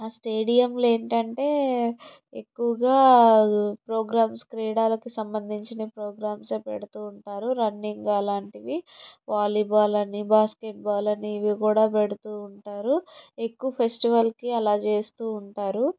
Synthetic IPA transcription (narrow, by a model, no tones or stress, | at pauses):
aːsʈeːɽijɐmle̞ːɳʈɐɳʈe̞ː | ekːuʋɐɡaː | pɾoːɡɾaːmskɾiːɽaːlɐkisɐmbɐnd̪ʱiɲt͡ʃinipɾoːɡɾaːmspḛɽut̪uːɳʈaːɾuɾɐnːiŋɡlaːɳʈiʋiʋaːlibaːlɐnibaːskeʈ̚baːlɐniːʋikuːɽaːpeɽut̪uːɳʈaːɾuekːuʋɐpʰe̞sʈiʋɐlkiɐlaːt͡ʃe̞ːst̪uːɳʈaːɾu